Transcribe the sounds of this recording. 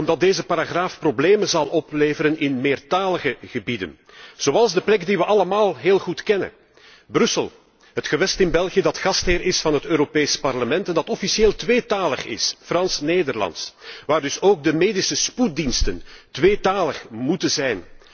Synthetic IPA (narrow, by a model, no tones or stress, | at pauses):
ɔmdɑt̚deːzəpaːɾaɣraːfprobleːmənzɑlˠɔpleːvəɾənɪnmɪːrtaːləɣəɣəbidə̰n | z̥oːɑlˠzdəplɛkdiʋəʔɑləmaːlˠɦeːlˠɣutkɛnə̰ | brʏsəlˠ | ɦətxəʋɛstɪnbɛlˠɣijədɑtxɑstɦɪːɾɪsfɑnɦətøːɾopeːspɑrləmɛntɛndɑtɔfisieːlˠtʋeːtaːlə̰xɪ̰sfrɑnsneːdərlɑ̰ntsʋaːrdɵsoːɡ̚dəmeːdisəsput̚dinstəntʋeːtaːləxmutənzɛjn